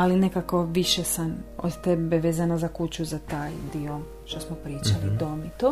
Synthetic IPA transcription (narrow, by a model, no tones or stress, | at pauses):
alinekako̞ʋiʃesamo̰d̪t̪ebeʋeːzanazakut͡ɕuzat̪aːjd̪io | ʃt̪osmopɾiːt͡ʃalid̪omit̪o